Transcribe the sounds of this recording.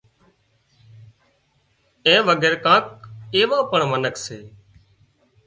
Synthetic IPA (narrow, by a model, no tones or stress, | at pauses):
ẽːʋəɡeːɾkãːk̚eːʋãːpəɳmənəkseː